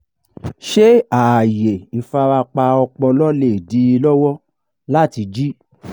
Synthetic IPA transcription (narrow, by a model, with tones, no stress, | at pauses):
ʃe˦a˨je˨fa˧ɾa˧k͡pa˧ɔ˧k͡pɔ˧lɔ˦le˦˨di˨˦i˧lɔ˦wɔ˦ | la˦ti˧d͡ʒi˦